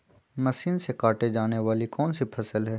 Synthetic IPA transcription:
mɐʃiːnsekaːʈed͡ʒaːneʋaːlikɔːnsipʰɐsəlɦɛː

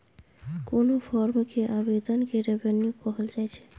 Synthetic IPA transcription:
konopʰɔɾmkeʔabed̪ʱənkeɾebenjukɔɦəld͡ʒajt͡ʃʰɛ̥

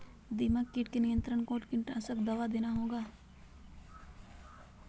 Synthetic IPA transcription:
d̪imakːiʈkenijə̃nt̪ɾəɳkoːʈkɪ̃ɳʈəsəbd̪ɐʋad̪eːnaɦoːɡaː

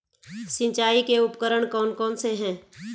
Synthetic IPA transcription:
sɪ̃nt͡ʃaːikeʊpkəɾəɽ̃kɔːnkɔːnseɦɛ̃ː

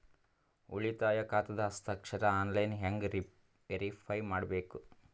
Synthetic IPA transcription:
uɭit̪aːjɐkaːt̪ɐd̪ɐːst̪ʰɐkʂɐɾɐaːnlɐjnɦaŋɡ | eɾipʰɐjmaːɽɐbeːku

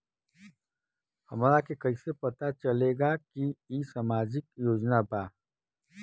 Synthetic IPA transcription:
hɐmɾakekɐisepɐt̪at͡ʃɐleːɡakiiːsamaːd͡ʒɪkjoːd͡ʒnabaː

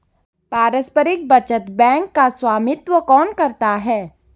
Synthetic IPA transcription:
paːɾəspəɾɪk̚bɐt͡ʃət̪bɛ̃ːŋkːaswaːmɪt̪wəkɔːnkɐɾt̪aɦɛː

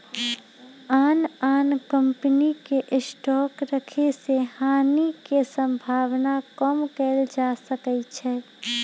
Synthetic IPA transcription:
aːnaːnkə̃mpənikeʔɪsʈɔːkɾəkʰesehaːnikesə̃mbʱaːwnakɔmkɛːld͡ʒaːsəkət͡ʃʰɛː

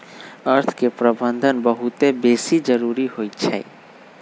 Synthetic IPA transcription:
əɾt̪ʰkepɾəbə̃nd̪ʱənbəɦut̪ebeːsid͡ʒəɾuːɾiɦoːitt͡ʃʰɛ̰ː

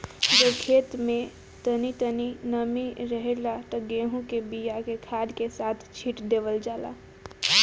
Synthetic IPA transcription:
d͡ʒokʰeːt̪mẽ | t̪ənit̪əninəmiɾəɦelat̪ɔɡẽːɦũkebijakekʰaːd̪kesaːt̪ʰt͡ʃʰiʈd̪eːʋəld͡ʒaːla̰

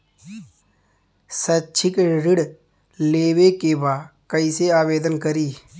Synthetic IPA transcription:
sətːt͡ʃʰɪkɾɪɽ | leːwekebaːkɐiseaːʋeːd̪ənkəɾiː

